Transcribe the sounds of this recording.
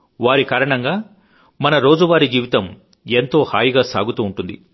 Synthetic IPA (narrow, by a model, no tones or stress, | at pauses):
ʋaːɾikaːɾɐɳɐŋɡaː | mɐnɐɾo̞ːd͡ʒuʋaːɾid͡ʒiːʋit̪ɐm | ent̪o̞ːhaːjiɡaːsa̰ːɡut̪uːɳʈund̪i